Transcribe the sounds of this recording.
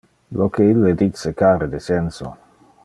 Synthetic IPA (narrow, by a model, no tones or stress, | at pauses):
lokeilːed̪it͡sːekaːɾed̪esenso̰